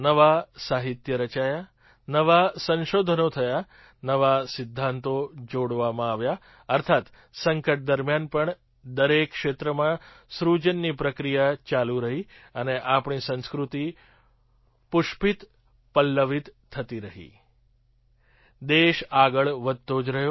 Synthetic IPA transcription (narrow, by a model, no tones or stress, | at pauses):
nəʋasaɦit̪jəɾət͡ʃaja | nəʋasə̃nʃod̪ʱənot̪ʰəja | nəʋasɪd̪ʱːãnt̪od͡ʒoɽʋamãaʋja | əɾt̪ʰat̪ | səŋkəʈ̚d̪əɾmjanpəɳ | d̪əɾekːʃet̪ɾəmã | sɾud͡ʒənːipɾəkɾijat͡ʃaluɾəɦi | əneʔapɳ̃isə̃nskɾut̪i | pʊʃpit̪ | pəlːəʋit̪ʰːət̪iɾəɦḭ | d̪eʃaɡəɭʋəd̪t̪od͡ʒɾəɦjo